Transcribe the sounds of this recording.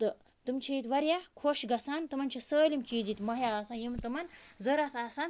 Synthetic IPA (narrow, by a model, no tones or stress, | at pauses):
t̪ɨ | t̪umt͡ʃʰijit̪ʋɐɾjakʰoːʃɡɐsaːnt̪ɨmɐnt͡ʃʰisəːlimkiːd͡zit̪mɐɦjaːsaːnjimt̪ɨmɐnzɐɾɐt̪ʰaːsan